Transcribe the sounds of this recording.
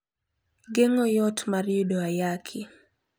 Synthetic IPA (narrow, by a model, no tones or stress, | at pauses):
ɡeŋɔjɔtmaɾiudoajakʰɪ